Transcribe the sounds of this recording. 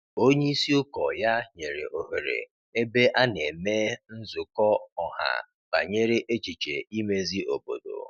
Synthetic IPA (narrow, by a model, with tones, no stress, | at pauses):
o˦ɲe˦i˦si˦ʊ˦kɔ˨ja˦ɲe˨ɾḛ˨ʔo˨ɦe˨ɾḛ˨ | e˦be˦ʔa˦ne˨me˦n̩˦zʊ˨kɔ˦ɔ˨ɦa̰˨ | b̥a̰˨ɲe˦ɾe˦ʔe˦t͡ʃi˨t͡ʃḛ˨i˦me˦zi˦ʔo˨bo̰˨do̰˨